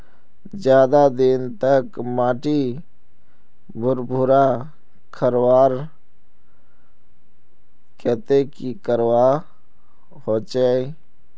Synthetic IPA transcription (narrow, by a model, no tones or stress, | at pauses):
d͡ʒjaːd̪ad̪ɪnt̪əkmaːʈi | bʱʊɾbʱʊɾa | kʰəɾwaːɾ | kɛt̪ekikəɾwa | hoːt͡ʃaːi